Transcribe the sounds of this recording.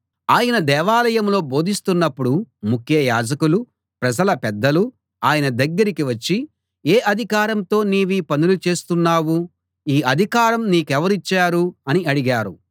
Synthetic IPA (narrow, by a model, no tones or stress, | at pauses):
aːjɐnɐd̪ɛːʋaːlɐjɐmlo̞ːbo̞ːd̪ʱist̪unːɐpːuɽumukʰjɐjaːd͡ʒɐkulu | pɾɐd͡ʒɐlɐpɛd̪ːɐlu | aːjɐnɐd̪ɐɡːɐɾikiʋɐt͡ʃːi | eːʔɐd̪ʱikaːɾɐmt̪o̞ːniːʋiːpɐnulut͡ʃe̞ːst̪unːaːwu | iːʔɐd̪ʱikaːɾɐmniːkɛʋɐɾit͡ʃːaːɾuɐniɐɽiɡaːɾu